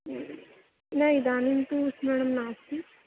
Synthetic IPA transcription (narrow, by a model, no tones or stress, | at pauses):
naid̪aːnint̪usmɛɽ̃əmnaːsi